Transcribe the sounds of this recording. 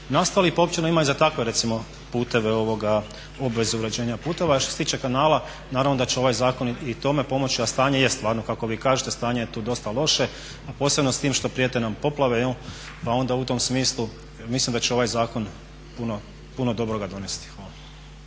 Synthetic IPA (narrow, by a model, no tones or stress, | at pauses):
nast̪alipoopt͡ʃenoimaizat̪akʋe̞ɾe̞t̪simo̞ | puːt̪e̞ʋeo̞ʋo̞ɡa | o̞bʋe̞zuuɾe̞d͡ʑe̞ːɲapuːt̪e̞ʋaʃt̪oset̪iːt͡ʃe̞kanaːlˠa | naːɾaʋno̞d̪at͡ɕeo̞ʋajzaːko̞nit̪o̞me̞po̞mo̞t͡ɕiast̪aːɲe̞jest̪ʋaːɾnokako̞ʋiːkaːʒet̪e̞st̪aːɲe̞jet̪uːd̪o̞st̪alˠo̞ʃe̞ | apo̞ːse̞bno̞st̪iːmʃt̪o̞pɾiet̪enampo̞plˠaʋe̞o | pao̞nd̪aut̪o̞msmiːslˠu | mislimd̪at͡ɕeo̞ʋajzaːko̞n | puno | punod̪o̞bɾo̞ɡad̪o̞nest̪i̥xʋaːla